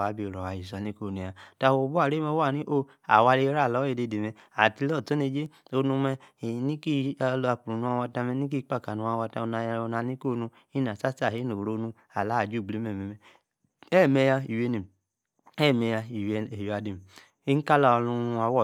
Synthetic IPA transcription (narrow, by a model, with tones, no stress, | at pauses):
a˨˦bi˧˨o˨ɾɔ˨wa˨ji˨s̬a˨ni˦ko˦˨ni˨ja˨ta˧˨o˨˦bu˦a˨ɾe˦mɛ˧˦wa˦˨ni˦ʔo˦ | a̰˨wa˧le˧˦ɾa˦˨lɔ˨˦e˧˨de˧˨de˨mɛ˧a˨ti˧lɔ˦˨to˦ne˧d͡ʒe˦o˧nu˧mɛ˧˨ni˦ki˦˧lo˧a˧k͡pu˨ɾu˨nũ˧a˧wa˧ta˧mɛ˧ni˦k̬i˦˧˦k͡pa˦˨ka˨nu˧a˧wa˧ta˧o˧na˧jo˧na˧ni˦ko˦˨˦nũ˧ | i˦na˨sa˦ta˦˨he˨˦no˨ɾo˧˦nũ˧ | a˨la˨˦˨d͡ʒu˦˨ɡ͡bli˨˦mɛ˨mɛ˨mɛ˨ | ɛ˦˨mɛ˧ja˧i˨we˧ni˨m˨ | ɛ˦˨mɛ˧ja˧i˨we˨jo˨a˧di˨m˨ | i˦n̩˦ka˦la˨˧lũ˧˦a˧˦wɔ˦˨